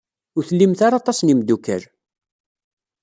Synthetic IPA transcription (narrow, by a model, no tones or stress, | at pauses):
ʊɾθəlːimθaɾɑt̪ˤɑsnimd̪ukːə̰ɾ